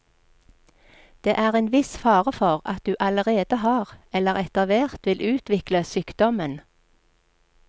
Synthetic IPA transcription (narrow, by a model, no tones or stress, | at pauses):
d̪̥eːʔæːʁeːnʋɪsfɑːʁəfɔʁɑ̰t̪̚d̪ʉːʔɑləʁeːd̪əhɑːʁɛləʁɛt̪ɑʋeːʁt̪ʋɪlʔʉːt̪ʋɪkləsyːkd̪ɔmən